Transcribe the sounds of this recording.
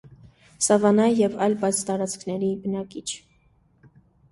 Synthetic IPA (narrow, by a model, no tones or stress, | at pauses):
sɑvɑnɑjjɛvɑjlbɑjt͡sʰt̪ɑɾɑt͡skʰnɛɾibənɑkit͡ʃʰ